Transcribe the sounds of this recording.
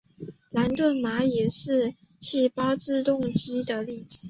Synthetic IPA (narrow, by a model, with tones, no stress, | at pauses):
la˧˥nt̪wə˥˩nma˧˥jɛ˨˩ʂɻ̩˥˧ | ɕʰi˥˩pɑ˥ʊʈ͡ʂɻ̩˥˧t̪ʊ˥˧ŋt͡ɕi˥d̪ə˨li˥˩t͡sɹ̩˨˩˦